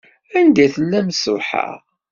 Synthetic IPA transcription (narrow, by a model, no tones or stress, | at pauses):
ænd̪æθəlːæmsʊħa̰ʁ